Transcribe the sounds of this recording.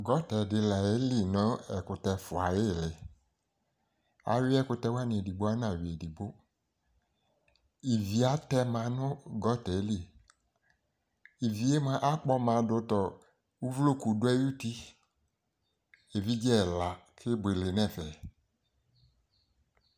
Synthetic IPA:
ɡɔ˨˦tɛ˨dɪ˧la˨e˨˦li˦˨nɔ̃˨˦ɛ˨kʊ˧tɛ˧fʊ˨a˨je˦˨lɪ˨ | a̰˨wi˦ɛ˦kʊ˧tɛ˧wa˦nĩ˨e˨di˨bo˦a˦nã˨wi˨e˨di˨bo˦ | i˨vi˨a˨˦tɛ˧mã˧˦nʊ̃˦ɡɔ˦tɛ˨˦li˦ | i˨vi˨e˦mã˨˦ʔa˦k͡pɔ˧mã˨˦dʊ˧tɔ˨ | u˦vlo˦˨ku˨dʊ˦ɛ˦ju˦ti˧ | e˨vi˦d͡ʒɛ˦˨la˨kʰɪ˦bʷe˨le˨nɛ̃˦˨fɛ˨

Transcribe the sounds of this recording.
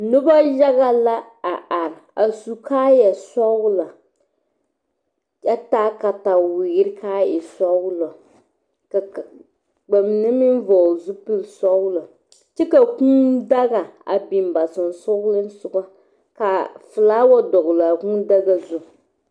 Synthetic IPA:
nʊ˦ba˦ja˦ɣa˦la˦ | a˨ʔa˨ɾa˨su˨kaː˦jɛ˨sa˦wʊ˦la˨ | ja˦taː˦ka˨ta˨wɪ˨ɡɪ˦ɾɪ˦kaː˦jɛ˨sa˦wʊ˦lɔ˨ | ka˨ | ɡ͡ba˨m˨nɨ˦mi˦n˦vɔ˨zʊ˦pɨ˦lsa˦wla˨ | t͡ʃɛ˦ka˨ku˦da˦ɡa˨a̰˨bi˨m˨ba˨sɨ˨n˨sɔ˦lɨ˦n˦sʊ˨ɡa˦ | ka˨fɨ˨laː˦wɔ˦dɔ˨ɣla˨kũ˦da˦ɡa˦zʊ˦

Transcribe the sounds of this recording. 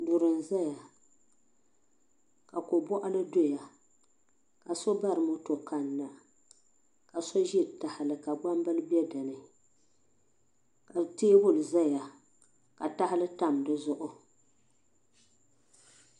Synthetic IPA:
dʊ˨ɾɨ˨n˨za˦ja˨ | ka˨ko˨bɔ˦ʔa˦lɨ˦do˦ja˨ | ka˨so˦ba˦ɾɨ˨mʊ˦to˨ka˦nːa˨ | ka˨so˦ʒi˦˨ta˨hɪ˨lɨ˨ka˨ɡ͡ba˦mbɨ˦lbɛ˦dɨ˨nɨ˨ | ka˨teː˦bʊ˦˨lza˦ja˨ | ka˨ta˦hɪ˦lɨ˦ta˦˨mdɨ˦zʊ˦˨ʔʊ˦

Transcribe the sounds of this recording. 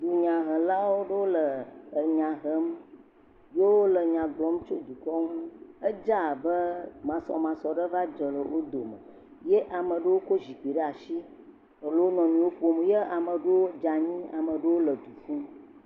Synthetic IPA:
ɖu˨ɲã˨ɦə˨la˦wo˦ɖə˦wo˦lə˨ə˨ɲã˨ɦə˦m | je˦wo˦lə˨ɲã˨ɡlɔ˨˦m˦t͡ʃo˦d̪u˨kɔ˦ŋũ˦ə˦d͡ʒa˦˨bə˦mã˨sɔ̰˨mã˨sɔ˨ɖə˦va˦d͡ʒə˨lə˨wo˦d̪o˨mə˨ | je˦ʔa˨mə̃˨ɖə˦wo˦ko˦ʒi˨k͡pi˨ɖə˦a˨ʃi˦ | ə˨lə˦wo˦nɔ̃˨nĩ˨wo˦ɸo˦mje˦a˨mə̃˨ɖə˦wo˦d͡ʒa˨ɲĩ˦a˨mə˨ɖə˦wo˦lə˨d̪u˨fũ˦m

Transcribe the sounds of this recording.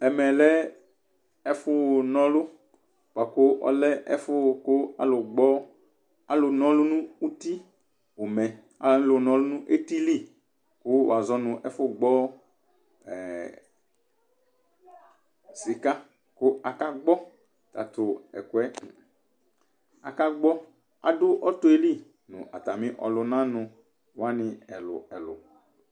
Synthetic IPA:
ɛ˨mɛ̃˨lɛ˦ | ɛ˦fo˦˨nɔ̃˦lo˦ | pa˨ko˦ʔɔ̰˦lɛ˦ʔɛ̰˦fo˦˨ko˦a̰˨lo˨ɡ͡bɔ˦ | a˨lo˨nɔ̃˦lu˦nũ˦u˦t̪i˦ | wo˨mɛ˨ | a̰˨˦lo˨nɔ̃˦lo˦nũ˦ʔe˦t̪i˦li˦ | ku˦w̰a˨zɔ˦nũ˨ʔɛ˦fo˦ɡ͡bɔ˦ | ɛ˨ | si˨ka˦ | kʊ˦a˨ka˦ɡ͡bɔ˦ | t̪a̰˨t̪ʊ˨ɛ̰˨kʊ˨ɛ˦˨ | a̰˨ka˦ɡ͡bɔ˦ | a̰˨ɖʊ˦ʔɔ˦t̪ʊ˦e˦li˦˨ | nʊ̰̃˨ʔa˨t̪a˨mĩ˦ʔɔ̰˨lʊ˨nã˦nʊ̃˨ | wa˦nɪ̃˨ɛ˨lʊ̰˨ɛ˨lʊ̰˨

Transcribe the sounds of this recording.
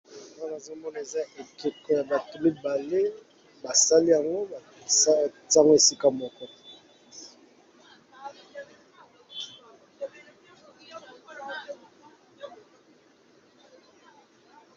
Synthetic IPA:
a˨ŋa˦na˨zo˦mɔ˦na˨e˨za˦ʔe˨ke˨kɔ˦ja˨ba˨tu˨mi˦ba˨le˦ | ba˨sa˦li˦ja˨ŋɡo˦a˨˦ | ta˦ŋɡo˦e˨si˦ka˦mɔ˦kɔ˦

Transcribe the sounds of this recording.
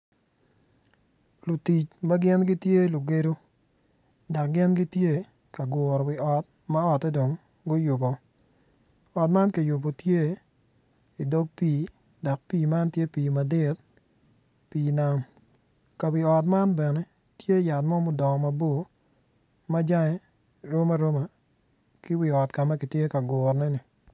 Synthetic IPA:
lʊ˨ti˨t͡ʃma˦ɡɪ˦nɡɪ˦tje˦˨lʊ˨ɡe˦ɾo˦ | da˨k̚ɡɪ˦nɡɪ˦tje˦ | ka˨ɡʊ˨ɾɔ˨wɪ˨ɔ˨t̚ | ma˦ɔ˨tɛ˦do˨ŋ | ɡʊ˦jʊ˨bɔ˨ | ɔ˨tma˦nka˨jʊ˨bo˨tje˦ | i˨do˦ɡ̚pi˦˨˦ | da˨k̚piː˦ma˦ntje˦piː˨ma˨dɪ˦t | piː˨na˦m | ka˨wɪ˨ɔ˨t̬ma˦nbɛ˨nɛ˦ | tje˦˨ja˨tmɔ˦mʊ˨dɔ˨ŋ˨ma˨bo˦˨ | ma˦d͡ʒa˦ŋɛ˦ | ɾo˦ma˦ɾo˦ma˨ | kɪ˦wɪ˨ɔ˨tka˨ma˦kɪ˨tje˦ka˨ɡo˨ɾnɛ˦nɪ˨

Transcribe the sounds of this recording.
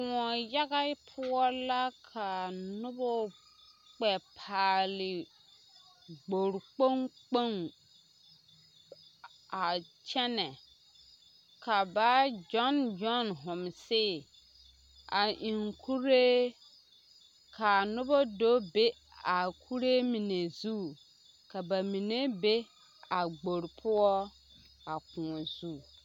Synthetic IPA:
ŋɔ˨ja˦ɣa˦pʰʊ˦ɔ˦la˦kʰa˨nʊ˦bɔ˦ | k͡pɛ˨pʰaː˨lɪ˨ | ɡ͡bo˨ɾk͡po˦ŋk͡po˦ŋ | a˨t͡ʃɛ˦nɛ˨ | ka˨ba˦d͡ʒɔ˦nd͡ʒɔ˦nɦʊ̃˨msɪ˦˨ | a˨ʔi˨ŋkʰu˦ɾe˦ | kʰa˨nʊ˦bɔ˦do˦be˦ | a˨kʰu˦ɾe˦mi˨ne˨zu˦˨ | ka˨ba˨mĩ˨ne˦be˦ | a˨ɡ͡bo˨ɾpʰʊ˦ɔ˦ | a˨kʊ̃˨ɔ˨zu˦˨

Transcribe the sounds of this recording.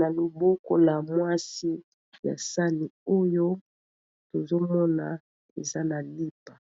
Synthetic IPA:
na˨lo˨bo˦ko̰˦la˨mwa˦si˦ | ja̰˨sa˦ni˨o˦jo˦ | to˨zo˦mɔ˦na˨ | e˨za˦na˨li˦pa˨

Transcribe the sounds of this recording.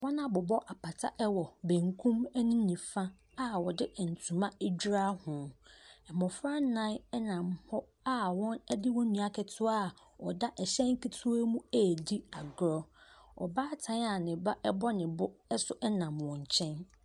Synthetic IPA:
wɔ̃˦nã˦˨bʊ˨bɔ˦ʔa˨pʰa˨tʰa˦ʔɛ˦wɔ˨bẽ˨ŋkʰũ˦mɛ˦nĩ˦ɲĩ˨fã˦ | a˦wɔ˨dɪ˦ʔɛ˨n̩˨tʰũ˨mã˦ɛ˦d͡ʑᶣɾa˦hʊ̃˨ɛ˨mɔ̃˨fɾa˦nã˦nɛ˦nã˨mhɔ˦ | a˦wɔ̃˦nɛ˦dɪ˦wɔ̃˦nĩ˨a˨kʰɛ˨tʰʊ˦a˦˨ | ɔ˨da˦ʔɛ˨ɕɛ̃˦ŋ˦kʰi˦tʰʊ˦ɛ˦mũ˦æ˦˨di˦a˨ɡɾɔ˦ɔ̰˨baː˦tʰã˦na˨nɪ̃˨ba˦ʔɛ˦bɔ˦nɪ̃˨bʊ˦ɛ˦sʊ˦ʔɛ˦nã˨mwɔ̃˨ɲ˨t͡ɕʰɛ̃˦n

